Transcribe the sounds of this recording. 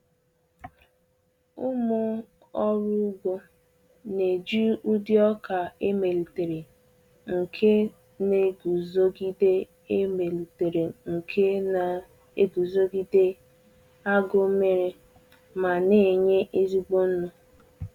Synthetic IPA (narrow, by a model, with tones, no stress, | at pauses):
u˦mʊ˦ | ɔ˦ɾʊ˦ɡo˦ | ne˨d͡ʒi˦u˦dɪ˦ɔ˦ka˨e˦me˨li˨te˨ɾe˨ | ŋ̩˨kʰe˦ | ne˦ɡu˨zo˦ɡi˦de˦ | me˨li˨te˨ɾe˨ŋ̩˨kʰe˦˨ | e˦ɡu˨zo˦ɡi˦de˦ | a˦ɡo˦me˨ɾe˨ | ma˨ne˨ɲe˦ʔe˦zi˦ɡ͡bo˦n̩˦nu˦